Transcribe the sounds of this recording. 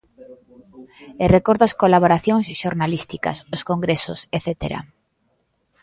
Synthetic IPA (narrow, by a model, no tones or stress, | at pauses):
erekoɾðɐskolaβoɾaθjoŋsʃoɾnalist̪ika̰soskoŋɡɾeso̰seθet̪ḛɾa̰